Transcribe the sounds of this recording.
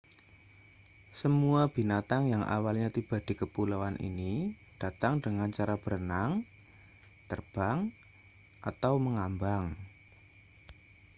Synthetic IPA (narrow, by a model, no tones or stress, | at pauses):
səmuab̥i̤nat̪aŋjaŋʔa̰walɲat̪ib̥a̤d̥i̤kəpulawanʔḭni | d̥a̤t̪aŋdəŋant͡ʃaɾab̥əɾənaŋ | t̪ərb̥aŋ | ʔat̪awməŋambaŋ